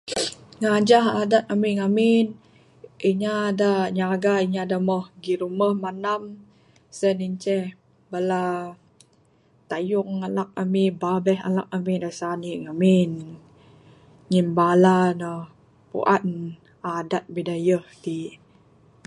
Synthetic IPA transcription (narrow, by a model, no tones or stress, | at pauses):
ŋad͡ʒaɦadat̪̚amiŋamin | iɲadaɲaɡaiɲadamɔhɡiɾuməhmanam | səniɲt͡ʃɛh | bala | t̪ajʊŋalak̚amibabɛɦa̰la̰k̚amidasaniŋamin | ŋinbalanəh | pṵʔan | adat̪̚bidajəht̪i